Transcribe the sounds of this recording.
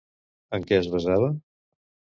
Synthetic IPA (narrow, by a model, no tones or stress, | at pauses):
əŋkɛəzβəzaβə